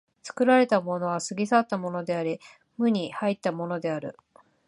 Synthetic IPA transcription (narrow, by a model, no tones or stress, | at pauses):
t͡sɨ̥kɯ̟ɾaɾe̞t̪amo̞no̞β̞asɨɡʲisat̪ːamo̞no̞d̪e̞aɾʲi | mɯ̟ɲ̟ihait̪ːamo̞no̞d̪e̞aɾɯ̟̰